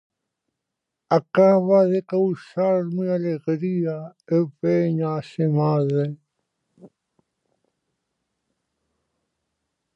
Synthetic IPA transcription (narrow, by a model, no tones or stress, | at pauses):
akaβaðekawsaɾmialeɣɾiaepeɲasemaðe